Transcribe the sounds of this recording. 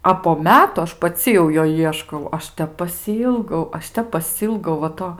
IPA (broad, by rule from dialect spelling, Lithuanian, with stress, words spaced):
ɐ poː ˈmʲæːtʊ ˈɐʃ pɐˈt͡sʲɪ jɛʊ ˈjoː ˈiɛʃkɐʊ ˈɐʃ ˈtʲɛp pɐsʲɪˈiːlˠɡɐʊ ˈɐʃ ˈtʲɛp pɐˈsʲiːlˠɡɐʊ ʋɐ ˈtoː